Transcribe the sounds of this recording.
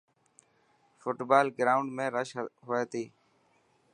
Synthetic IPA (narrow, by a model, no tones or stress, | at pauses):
fʊʈbaːlɡɾaːʊɳɖmẽːɾəʃɦoːeːt̪iː